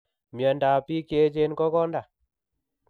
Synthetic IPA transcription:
mja˨nda˨pi˦ke˦t͡ʃe˦nkɔ˦kɔ˦nda˨

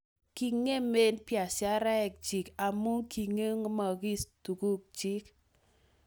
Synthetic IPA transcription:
ki˨ŋe˦me˦npja˨sja˦ɾɛ˦ɛ˨k̚t͡ʃi˨ka˨mu˦ŋki˨ŋe˦ŋ˦ma˨ki˦stu˨ku˦k̚d͡ʒi˦k

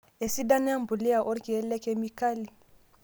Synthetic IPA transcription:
e˨si˦da˦nɛ˦a˦m˨bu˨li˦a˨ʔɔ˦ɾki˨ɛ˦lɛ˦kɛ˦mi˦ka˦li˨

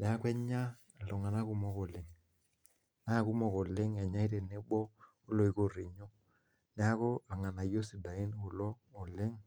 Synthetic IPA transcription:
nɛ˨a˦kwɛ˦ɲa˦˨ | lɔ˨ŋa˨na˦ku˦mɔ˦ko˨lɪ˨ŋ | na˦˨ku˦mɔ˨ko˨lɪ˦ŋɛ˨ɲa˦i˦te˨ne˦bɔː˦ | lo˨i˨ko˦ri˨ɲɔ˦ | nɛ˦a˦ko˦a˨ŋa˨na˨jo˦si˨da˨ɪ˦n˦ko˨lɔː˦˨lɪ˦ŋ

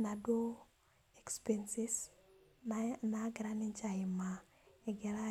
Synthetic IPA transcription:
na˨do˦ | ɛ˨kspɛnsɪ˦s | naɡɪɾa˦nɪ˦ɲt͡ʃa˨ɪ˨ma˨ | ɛɡɛ˨ɾa˦

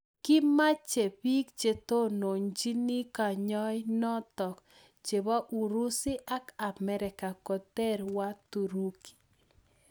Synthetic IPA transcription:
kɪ˦ma˦t͡ʃe˨pi˦k̚t͡ʃe˨to˦no˨nd͡ʒi˦ni˦ka˨ɲɔ˦ɪ˦nɔ˦tɔ˨k | t͡ʃe˨βa˦ʔu˨ɾu˦sɪ˦ʔa˦ka˨mɛ˦ɾɪ˨ka˨kɔ˨tɛ˦ɾwa˦tu˨ɾu˦ki̥˨

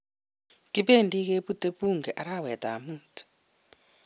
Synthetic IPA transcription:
ti˦pe˦ndi˦ke˦pu˦te˦pu˦ŋɡɛ˨ʔa˨ɾa˦˨wɛ˨d̪a̰˨muːti̥

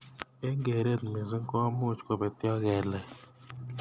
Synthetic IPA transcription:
e˦ŋɡe˨ɾe˦˨t̪me˨zi˦ŋ˦kɔ˦mu˦˨t͡ʃkɔ˨bɛ˨t̪jɔ˦ɣɛ˨lɛ˨

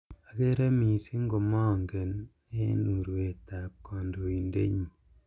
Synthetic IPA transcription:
a˨ke˦ɾe˦mi˨si˦ŋɡo˨mɔ˦˨ŋɡɛ˨n | ḛ˦nu˨ɾwe˨ta˨p̚kɔ˨ndo˨i˨ndḛ˦ɲi˨

